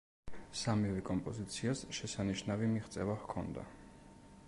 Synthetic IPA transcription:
samivɛkʼɔmpʼɔzit̪sʰiasʃɛsaniʃnavimiχt̪sʼɛvahkʰɔ̰nd̪a̰

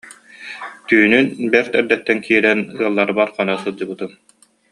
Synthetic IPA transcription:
t̪yːnynbɛɾt̪ɛɾd̪ɛt̪ːɛnkʰiːɾɛnɯɐlˠːaɾbaɾχanasɯlˠd͡ʑɯbɯt̪ɯm

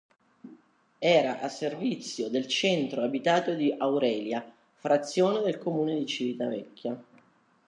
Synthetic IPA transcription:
ɛːɾaʔasːervit̪sːjod̪elt͡ʃɛnt̪ɾoabit̪aːt̪od̪iʔawɾɛːlja | fɾat̪sːjoːned̪elkomuːned̪it͡ʃivit̪avɛkʲːja

